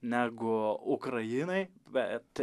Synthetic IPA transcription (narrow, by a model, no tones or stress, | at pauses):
nʲæːɡʊʊkɾɐjɪnɐɪbʲɛt̪